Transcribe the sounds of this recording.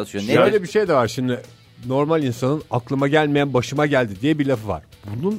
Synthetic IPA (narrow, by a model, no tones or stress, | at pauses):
ʃonʃøjlʲebiʃe̞jd̪ɛvaɾʃimd̪ɪ | no̞ɾmalʲinsanɯnaklˠɯmaɟælʲmejænbaʃɯmaɟælʲd̪id̪ijɛbiɾlʲafɯva̰ɾ̥bunun